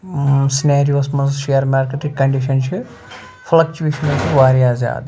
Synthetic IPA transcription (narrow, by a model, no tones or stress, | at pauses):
sineːɾijoːsmɐnzʃejɐɾmaːɾkeʈikːɐɳɖiʃɐnt͡ʃi | fʰlɐk̚t͡ʃuʋeːʃɐnɐt͡ʃiʋaːɾijaːzja̰ːd̪u